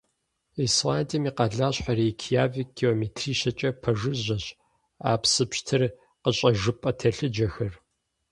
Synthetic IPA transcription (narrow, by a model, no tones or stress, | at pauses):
iswaːntʼimiːqɑɮaːɕħaɾikʰijaːviɡ̥ioːmetʰriːʃɐt͡ʃʼɐpʰɐʐɨʑʷɐɕ | a̰ːpsɨpɕtʰɨr | qəɕʼɐʒɨpʼɐtʰɐɬɨd͡ʒɐxɐr